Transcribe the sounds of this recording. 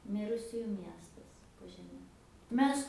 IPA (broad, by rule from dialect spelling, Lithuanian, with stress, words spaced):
ˈmʲɪrʊsʲʊjʊ ˈmʲiɛstɐs oː ʒʲɛˈmʲɛ ˈmʲɛs